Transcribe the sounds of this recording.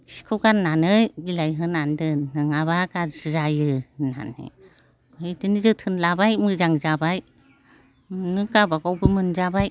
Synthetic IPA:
si̥kʰɯwɡanːanɯjbilajɦɯnandɯnɯŋaβakazzajɯna̰nḛ | bɯjdɯnizɯtʰɯnlabajmɯzaŋzabaj | nɯɡabaɡawbɯmɯnzabaj

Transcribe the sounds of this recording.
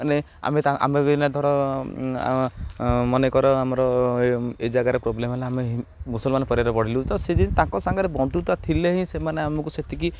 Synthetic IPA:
ne | a̰met̪aʔa̰meinad̪ʱɔɾɔ̰ | mɔnekɔɾɔamɔɾɔ | ed͡ʒaɡaɾepɾɔblemɦeleameɦmusɔlmanɔpɔɾiaɾɔpɔɽ̤ilũt̪ɔ̃sed͡ʒit̪ãkɔsaŋɡɔɾebɔnt̪ut̪at̪ʰileɦĩsemaneamɔkuset̪iki

